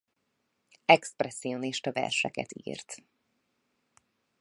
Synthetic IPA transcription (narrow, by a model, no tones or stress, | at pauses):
ɛksprɛsːio̞niʃt̪ɒvɛ̰rʃɛkɛ̰t̪ḭːrt̪